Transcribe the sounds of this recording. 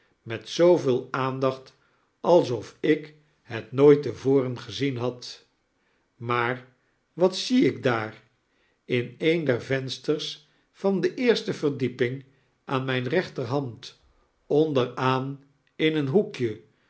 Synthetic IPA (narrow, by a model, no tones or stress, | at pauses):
mɛtsowvɪːlˠaːndɑχt | ɑlˠsɔfɪk | ɦɛtnojtəvoːrənχəzinɦɑt | maːɹ | ʋɑtsiɪɡ̚daːr | ɪnejndɛɹvɛnstərs | fɑndəʔɪːɹstəvərdipɪŋ | ʔaːnmɛjnrɛχtərɦɑnt | ɔndəraːn | ɪnənɦukjə